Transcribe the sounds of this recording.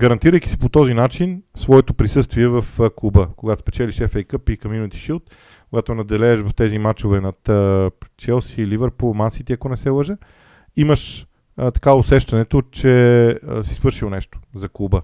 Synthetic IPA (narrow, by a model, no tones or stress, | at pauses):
ɡɐɾɐnt̪iɾəjki̥si̥pot̪ɔzinat͡ʃinsvɔɛt̪opɾisɤst̪viɛvɐfkubəkoɡat̪ospɛt͡ʃɛliʃɛfɛjkəpikɐminot̪i̥ʃilˠt̪̚ | kkoɡat̪onɐd̪ɛlɛːʃvɐft̪ɛzimat͡ʃovɛnɐt̪ət͡ʃɛlˠsiːlivəɾpomansit̪iɐkonɛsɛlˠəʒə | iməʃ | t̪ɐ̥kaosɛʃt̪ɐnɛt̪ot͡ʃɛsi̥svəɾʃilˠnɛʃt̪o̥zɐkubə